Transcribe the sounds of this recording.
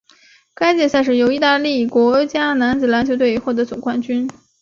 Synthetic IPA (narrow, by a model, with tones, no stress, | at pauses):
ka˥ɪt͡ɕjɛ˥˧sa˥˧ʂ̬ɻ̩˥˩jo˧˥ʊi˧˥t̪a˥˧li˥˩kwɔ˧˥t͡ɕja˥na˧˥nt͡sɹ̩˨˩la˧˥nt͡ɕjo˧˥ʊt̪we˥˩ɪi˧˥xwɔ˥˩d̪ə˧˥t͡sʊ˨˩ŋkwa˥˩nt͡ɕy˥n